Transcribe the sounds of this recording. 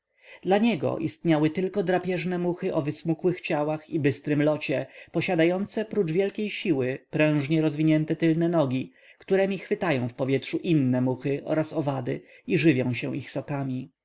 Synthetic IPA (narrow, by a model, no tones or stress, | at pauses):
d̪laɲɛɡɔ̰ʔist̪ɲawɘt̪ɘlkɔd̪ɾapʲjɛʐnɛmuxɘʔɔvɘsmukwɘxt͡ɕawaxibɘst̪ɾɘmlɔt͡ɕɛpɔɕad̪ajɔnt̪sɛpɾud͡ʐvʲjɛlkʲejɕiwɘpɾɛ̃w̃ʐɲɛɾɔzvʲiɲɛnt̪ɛt̪ɘlnɛnɔɡʲi | kt̪uɾɛmʲixfɘt̪ajɔ̃w̃fpɔvʲjɛtʂuʔinːɛmuxɘʔɔ̰ɾasɔvad̪ɘ | iʐɘvʲjɔ̃w̃ɕɛ̰w̃ʔixsɔkamʲi